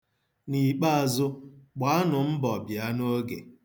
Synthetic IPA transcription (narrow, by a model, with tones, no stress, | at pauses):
ni˨k͡pa˦a˨zʊ˦k͡pa˨˦a˦nʊ˨m̩˦bɔ˨bja˦no˦ɡḛ˨